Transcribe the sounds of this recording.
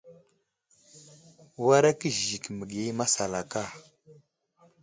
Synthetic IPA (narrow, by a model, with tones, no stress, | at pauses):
wa˦ɾa˦kə˦ʒʒi˨kmə˨ɡje˦ma˦sa˨la˨ka˦˨